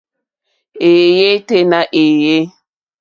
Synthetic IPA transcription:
e˨je˦te˦na˨ʔe˨je˦

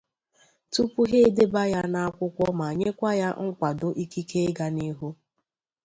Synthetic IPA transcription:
tu˦pu˦ɦe˦de˦ba˦ja˦na˦a˦kʷʊ˦kʷɔ˦ma˨ɲe˦kʷa˦ja˦ŋ̩˦kʷa˨dʊ˦ʔi˦ki˦kʰe˦e˦ɡa˦ni˦ɦu˦

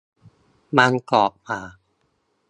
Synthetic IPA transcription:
maː˧nkɔː˨˩ʔ̚maː˨˩˦

